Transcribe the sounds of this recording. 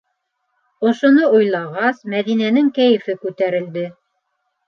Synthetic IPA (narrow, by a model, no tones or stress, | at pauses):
ŏʃŏnoujlˠɑʁɑsmæðinænɘŋkæjɘ̆fɘkʉt̪æɾɘ̆ld̪ɘ